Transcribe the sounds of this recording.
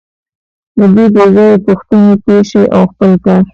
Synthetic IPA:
d̪əd̪ed̪ezajepʊxt̪anepeʃeʔawxpəlkɑɾ

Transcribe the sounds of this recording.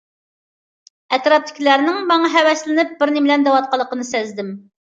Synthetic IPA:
ɛt̪ɾɑp̚t̪ʰːɪ̥kʲʰlæɾnɪŋmɑŋɑɦɛwɛslɪnɪp̚bɪɾnɪmɪlɛnd̪ɛwɑt̪̚qɑlˠːəqənɨsɛzd̪ɪm

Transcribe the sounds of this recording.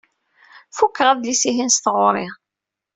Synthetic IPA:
fukːəʁæðlisiɦinst̪əʁoɾˤɪʁ

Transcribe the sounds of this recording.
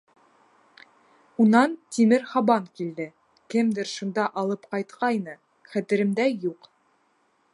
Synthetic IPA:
unɑnt̪ʲimɘɾhɑbɑŋkild̪ɘ | kɘmd̪ɘɾʃund̪ɑʔɑlˠɤpqɑjt̪qʰɑjnɤ | χæt̪ɘ̆ɾɘ̆md̪æjuq

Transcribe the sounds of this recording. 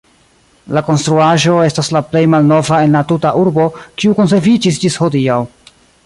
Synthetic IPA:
lako̞nstɾuaʒo̞e̞staslaple̞jmalno̞vae̞nlatutaʔuɾbo̞kiuko̞ns̬e̞ɾvid͡ʒis̬d͡ʒisho̞diaw

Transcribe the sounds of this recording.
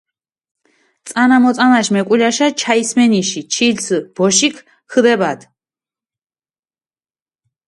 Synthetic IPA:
t̪sʼanamɔt̪sʼanaʃmɛkʼulaʃat͡ʃʰaismɛniʃit͡ʃʰilsʰb̥ɔʃikʰ | kʰd̪ɛbad̪

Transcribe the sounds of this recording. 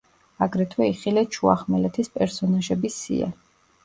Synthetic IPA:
aɡɾɛt̪ʰwɛiχilɛt͡ʃʰua̰χmɛlɛt̪ʰispʼɛɾsɔnaʒɛbisḭa̰

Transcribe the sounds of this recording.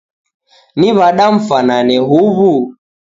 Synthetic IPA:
niβaɗaɱ̩fananɛɦuβu

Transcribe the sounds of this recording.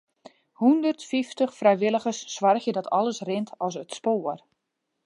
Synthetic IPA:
hundərtfiftəxfrɛjʋɪlˠəɣərsːʋarxjədɔtʰɔlˠəsrɪntʰɔsətspoːər

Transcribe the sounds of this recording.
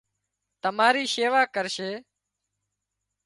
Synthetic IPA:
t̪əmaːɾiːʃeːʋaːkəɾʃeː

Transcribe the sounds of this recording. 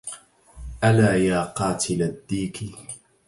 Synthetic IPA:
ʔalaːjaːqɑːt̪ʰɪlad̪ːiːkɪ

